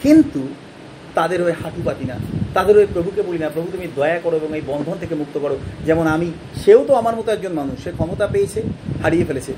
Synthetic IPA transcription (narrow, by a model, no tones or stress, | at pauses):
kint̪u | t̪ad̪eɾɦoehaʈupat̪ina̰t̪ad̪eɾɦoepɾobʱukebolinapɾobʱut̪umid̪ɔjakɔɾoeboŋejbɔnd̪ʱont̪ʰekemuk̚t̪okɔɾod͡ʑɛmonami | ʃeot̪oamaɾmɔt̪oɛɡ̚d͡ʑonmanuʃʃekʰɔmot̪apejt͡ɕʰehaɽijefelet͡ɕʰe